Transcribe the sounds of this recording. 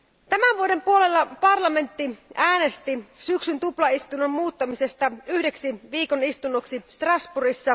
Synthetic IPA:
t̪æmæʋʋuode̞mpuole̞lːɑpɑrlɑme̞nt̪ːiæːne̞st̪isyksynt̪uplɑist̪unommuːt̪ːɑmisest̪ɑyhde̞ksiʋiːkonist̪unːoksist̪rɑsburisːɑ

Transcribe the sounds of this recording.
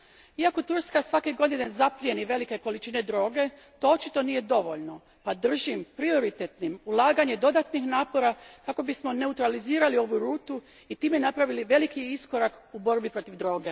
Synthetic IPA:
iako̞t̪uɾskasʋakiɡo̞d̪ine̞nzaplieniʋe̞like̞ko̞lit͡ʃine̞d̪ɾo̞ːɡe̞ | t̪o̞ot͡ʃit̪o̞nije̞d̪o̞ʋo̞ʎno̞ | pad̪r̩ʒimpɾio̞ɾit̪et̪nimulˠaːɡaɲe̞d̪o̞d̪at̪nixnaːpo̞ɾakako̞bismo̞ne̞ut̪ɾaliziːɾalio̞ʋuɾuːt̪u | it̪iːme̞napɾaʋiliʋe̞likiisko̞ɾakubo̞ɾbipɾo̞t̪iʋd̪ɾo̞ːɡe̞

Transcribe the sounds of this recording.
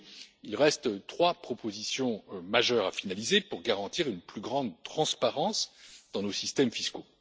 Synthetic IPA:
ilʁɛst̪t̪χwapχɔpozisjɔ̃maʒœʁafinalizepuʁɡaʁɑ̃t̪iʁynplyɡʁɑ̃d̪̚t̪χɑ̃spaʁɑ̃sd̪̥ɑ̃nosist̪ɛmfisko

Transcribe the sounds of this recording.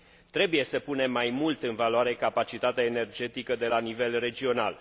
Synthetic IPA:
t̪ɾe̞buje̞səpune̞mːajmult̪ɨnvaloaɾe̞kapat͡ʃit̪at̪eaene̞rd͡ʒe̞t̪ikəd̪e̞lanive̞lre̞d͡ʒio̞na̰l

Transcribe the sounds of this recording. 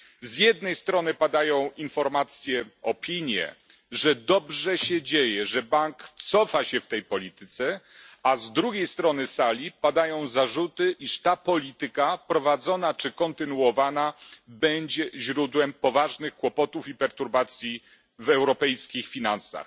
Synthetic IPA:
zjɛd̪̚nɛjst̪ɾɔnɘpad̪ajɔ̃w̃infɔɾmat̪sʲjɛɔpʲiɲjɛ̰ | ʐɛd̪ɔbʐɛɕɛd͡ʑejɛʐɛbaŋkt̪sɔfaɕɛft̪ɛjpɔlʲit̪ɘt̪sɛazd̪ɾuɡʲejst̪ɾɔnɘsalʲipad̪ajɔ̃w̃zaʐut̪ɘʔiʂt̪apɔlʲit̪ɘkapɾɔvad̪zɔnat͡ʂɘkɔnt̪ɘnuɔvanabɛɲd͡ʑɛʑɾud̪wɛmpɔvaʐnɘxkwɔpɔt̪ufipɛɾt̪uɾbat̪sʲji | vɛwɾɔpɛjskʲixfʲinansa̰x

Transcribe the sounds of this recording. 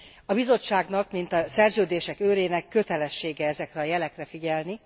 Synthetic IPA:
ɒbizo̞t͡ʃːaːɡnɒkmint̪ɒsɛrzøːd̪eːʃɛkøːɾeːnɛkːø̞t̪ɛlɛʃːeːɡɛɛzɛkrɛɒjɛlɛkrɛfiɟɛlni

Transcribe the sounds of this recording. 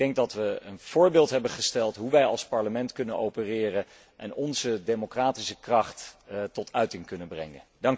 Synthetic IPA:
dɛŋɡ̚dɑtʋəənv̥ʊːɹbɪːlˠtɦɛbəχəstɛlˠtɦuʋɛjɑlˠspɑɹləmɛntkɵnənowpərɪːrə | ʔɛ̰nɔnzədejmokraːtisəkrɑχttɔtœɥtɪŋkɵnənbrɛ̰ŋə̰ndɑŋk

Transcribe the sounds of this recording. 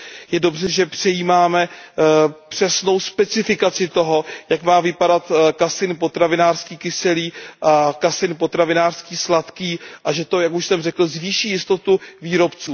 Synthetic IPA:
jɛdo̞brɛʒɛpr̝̥ɛjiːmaːmɛ | pr̝̥ɛsno̞wspɛt͡sɪfɪkat͡sɪt̪o̞ɦo̞jakmaːvɪpadat̪kasɪnpo̞t̪ɾavɪnaːr̥skiːkɪsɛliːʔakasɪnpo̞t̪ɾavɪnaːr̥skiːslat̪kiːʔaʒɛt̪o̞jakuʃsɛmrɛkl̩zviːʃiːjɪst̪o̞t̪uviːɾo̞pt͡suː

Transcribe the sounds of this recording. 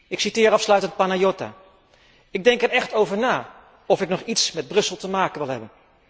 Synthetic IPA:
ɪksitɪːɾɑfslœɥtənt̚panajota̰ː | ɪɡ̚dɛŋkɛɹɛχtowvəɹnaː | ɔfɪknɔχitsmɛd̚brɵsəlˠtəmaːkənʋɪlˠɦɛbən

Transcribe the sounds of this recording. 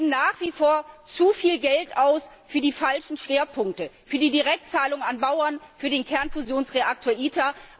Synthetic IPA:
naːχv̥ifoːɐt͡sufiːlɡɛltaʊsfyːɐdiːfalʃn̩ʃv̥eːɐpʰʊŋk̚təfyːɐdiːdiʁɛk̚tt͡saːlʊŋanbaʊɐnfyːɐdeːnkʰɛɐnfuzjoːnsʁ̥eʔak̚tʰoːɐʔiːtʰa

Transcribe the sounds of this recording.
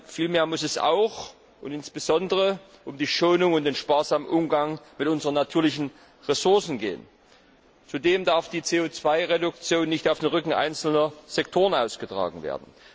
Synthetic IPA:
fiːlmeːɐmʊsɛsa̰ʊx | ʔʊntɪnsb̥əzɔndəʁə | ʔʊmdiːʃoːnʊŋʊnt̚d̥eːnʃpaːɐzaːmənʔʊmɡaŋmɪtʔʊnzəʁənatʰyːɐlɪçn̩ | ʁesʊɐsn̩ɡḛːən | t͡sudeːmdaɐfd̥iːt͡seːoːt͡sv̥aɪʁedʊk̚t͡sjoːnːɪçtaʊfd̥eːnʁʏkŋ̩ʔa̰ɪnt͡sl̩nɐz̥ɛk̚tʰoːʁənʔaʊsɡ̥ətʁ̥a̰ːɡŋ̩vḛːɐdn̩

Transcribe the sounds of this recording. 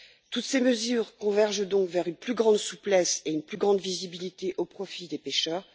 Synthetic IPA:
t̪ut̪seməzyːʁkɔ̃vɛʁʒd̪ɔ̃kvɛʁynplyɡʁɑ̃d̪suplɛseynplyɡʁɑ̃d̪vizibilit̪eʔopχɔfid̪epeʃœːʁ

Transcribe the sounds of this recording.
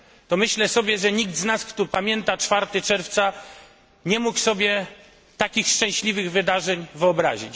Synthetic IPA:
t̪ɔmɘɕlɛsɔbʲjɛʐɛɲiɡ̚d̪znaskt̪upamʲjɛnt̪at͡ʂfaɾt̪ɘt͡ʂɛɾft̪sa | ɲɛmuksɔbʲjɛ | t̪akʲixʂt͡ʂɛ̃w̃ɕlʲivɘɣvɘd̪aʐɛɲvɘɔbɾa̰ʑit͡ɕ

